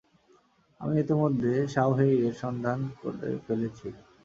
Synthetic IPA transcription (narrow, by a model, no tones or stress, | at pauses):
a̰miet̪imod̪ʱːeʃawɦeieɾʃɔnd̪ʱanko̰ɾḛfelet͡ɕʰi